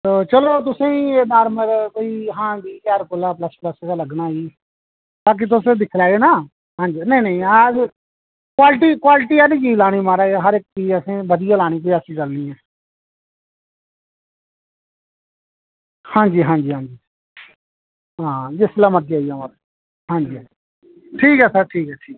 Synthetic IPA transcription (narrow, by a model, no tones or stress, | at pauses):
t̪oːt͡ʃəloːt̪̬ʊsẽːĩenaːɾməɾkoːiːɦãːbiːkaːɾkʊlaːpləspləskaːləɡnaːiː | t̪aːk̬ɪt̪̬ʊsẽd̪ɪkʰlaːenaː | ɦãːd͡ʒnəiːnəĩa | kwaːlʈiːkwaːlʈiːalid͡ʒiːlaːɽ̃iːmaːɾaːɦəɾɪk̚tiːəsẽːbəd̪ɪjaːlaːɽ̃iːk̬oiaːsĩːt͡ʃəlniːɛ̃ː | hãːɲd͡ʒiːɦãːd͡ʒiːɦãːd͡ʒiː | ɦãːd͡ʒɪslaːmət̪̚d͡ʒaːijãːməɾ | ɦãːd͡ʒiː | ʈʰiːkɛːsəɾʈʰiːkɛːʈʰiːkː